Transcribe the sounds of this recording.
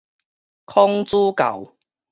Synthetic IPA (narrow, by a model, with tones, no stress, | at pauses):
kʰɔ˦˥ŋt͡su˦ka̰˨˩w